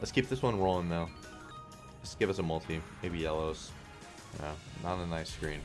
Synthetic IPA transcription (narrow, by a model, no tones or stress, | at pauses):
lətskʰip̚ðɪswʌ̃nɹoʊlˠə̃ŋðaʊ | lətsɡ̥ɪvʌsəmʌlˠtʰimeɪbijɛlˠoʊz̥ | ʌ̰nə̰n̩ənaɪskɹĩn